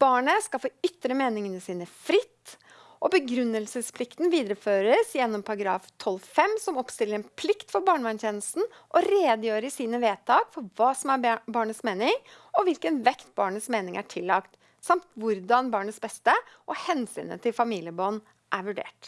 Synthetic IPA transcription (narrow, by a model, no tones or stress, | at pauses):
b̥ɑːɳəskɑlfoːʏt̪ːɾəmeːnɪŋənəsiːnəfɾɪt̪ː | ʔɔbəɡɾʉnːəlsəspʰlɪkt̪n̩ʋiːd̪ɾəføːɾəsjɛnːɔmpʰɑɾɑɡɾɑːft̪ʰɔlfɛmːsɔmɔpst̪ɪlːəɾɛnpʰlɪkt̪fɔɾbɑːɳmɛnt̪jɛːnəlst̪n̩ | ʔɔɾeːd̪əjøːɾəsiːnəʋeːt̪ʰɑːkfɔɾʋɑːsɔmæɾbɑːɳəsmeːnɪŋ | ɔʋɪlkənʋɛkt̪̚bɑːɳəsmeːnɪŋæ̰ʈʰɪlːɑkt̪ | sɑmt̪ʋʊɾd̪ɑnbɑːɳət̪sbɛst̪əʔɔhɛnsy̰ːnə̰t̪ʰɪlfɑmiːljəbɔn | ʔæɾʋʉɖḛːʈ